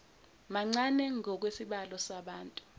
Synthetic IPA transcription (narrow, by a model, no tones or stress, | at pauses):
maŋ͡ǀanɛŋɔk̬wesiɓalɔsaɓaːntʼu̥